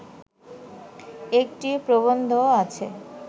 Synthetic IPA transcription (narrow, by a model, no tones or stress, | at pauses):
ek̚ʈipɾobond̪ʱoat͡ɕʰe